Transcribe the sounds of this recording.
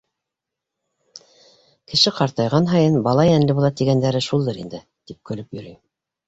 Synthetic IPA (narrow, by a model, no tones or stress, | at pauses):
kɘ̆ʃɘqɑɾt̪ɑjʁɑnɦɑjɤnbɑlˠɑjænlɘβulˠɑt̪iɡænd̪æɾɘʃulˠd̪ɤɾḭnd̪ɘ | t̪ip̚kɵ̆lɵpjɵ̆ɾyj